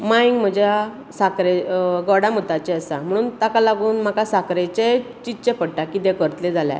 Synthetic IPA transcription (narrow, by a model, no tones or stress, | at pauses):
maiŋɡm̤əd͡ʑja | sakɾeɡɔɽam̤ət̪at͡ɕeəsa̰m̤əɽ̃uːnt̪akalaɡuːnm̤akasakɾet͡ɕe | t͡ɕit͡ɕepəɽʈakid̪ekəɾt̪led͡zʱalja̰